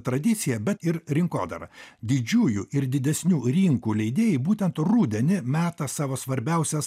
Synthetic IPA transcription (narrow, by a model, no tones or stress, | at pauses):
t̪ɾɐd̪ʲɪt̪sʲɪjɛbʲɛt̪ɪɾɾʲɪŋko̰ːd̪ɐ̰ɾɐ̰d̪ʲɪd͡ʒʲuːjuʔɪɾd̪ʲɪd̪ʲɛsʲnʲuːɾʲɪŋkuːlʲɛɪd̪ʲeːjɪbuːt̪ʲɛnt̪ɾuːd̪ʲɛnʲɪmʲæːt̪ɐsɑːʋoːsʋɐɾʲbʲɛˑʊsʲɛs